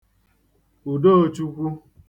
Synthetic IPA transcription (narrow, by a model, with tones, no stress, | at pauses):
u˨do˦o˨t͡ʃu˦kʷu˦